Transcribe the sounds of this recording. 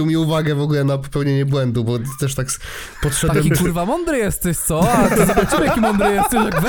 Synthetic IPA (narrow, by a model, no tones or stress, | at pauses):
iwmʲiuvaɡɛvɔɡulɛnapɔ̥pɛwɲeɲɛbwɛnd̪ubɔt̪ɛʂt̪ak | pɔt̪ʂɛd̪awɛmkuɾvamɔ̃nd̪ɾɨjɛst̪ɛt̪sɔzbat͡ɕimakimɔ̃nd̪ɾɨjɛst̪ɛʃakvɛ